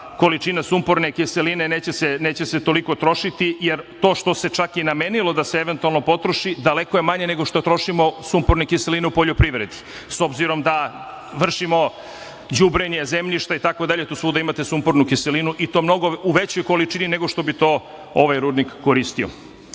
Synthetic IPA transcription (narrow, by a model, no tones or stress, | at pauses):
ko̞lit͡ʃinasumpoɾnekiselineneːt͡ɕeseneːt͡ɕese̞t̪o̞liko̞t̪ɾo̞ʃit̪ijeɾt̪o̞ːʃt̪o̞set͡ʃakinamenilˠo̞d̪aseeʋe̞nt̪ualˠno̞po̞t̪ɾo̞ʃid̪ale̞kojemaɲe̞neɡo̞ʃt̪o̞t̪ɾo̞ʃimo̞sumpoɾnekiselineupo̞ʎopɾiʋɾe̞d̪i̥ | so̞bziɾo̞md̪a | ʋr̩ʃimo̞ | d͡ʑubɾeɲe̞ze̞mʎiʃt̪ait̪ako̞d̪aʎe̞t̪usʋuːd̪aimat̪e̞sumpoɾnukiselinuʔit̪o̞ːmno̞ɡo̞uʋet͡ɕojkolit͡ʃinine̞ɡo̞ʃt̪o̞bit̪o̞ː | oʋajɾuːd̪nikːo̞ɾist̪io̰